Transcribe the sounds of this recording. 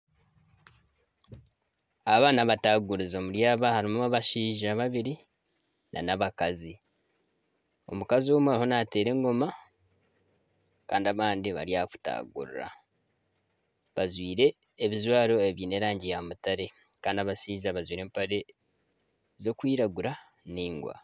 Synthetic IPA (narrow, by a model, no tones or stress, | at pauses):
aβaːnaβataɡuɾizomuɾjaːβahaɾimuaβaʃiːʒaβaβiɾi | nʔa̰naβakazi | o̞̰mukazioːmuaɾiho̞nate̞ːɾe̞ːŋɡo̞ma | kaːndiaβaːndiβa̰ɾijaku̥ta̰ːɡṵɾṵɾa̰ | βazwiːɾe̞ː | βizwaːɾo̞eβjiːne̞ːɾaːɲɟijamutaɾe̞ | kaːndiaβasiːzaβazwiːɾe̞ːmpaɾe̞ | zo̞kwiːɾaɡuɾa | niːŋɡwa̰